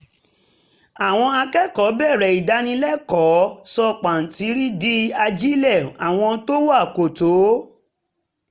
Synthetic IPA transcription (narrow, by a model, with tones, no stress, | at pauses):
a˨w̃ɔ̃˧a˧kɛ˦kɔ˨˦bɛ˦˨ɾɛ˨i˨da˨˦nĩ˧lɛ˦kɔ˨˦sɔ˧k͡pã˨n̩˨ti˨˦ɾi˦di˦a˧d͡ʒi˦lɛ˦˨a˨w̃ɔ̃˧to˦wa˦˨ko˨to˨˦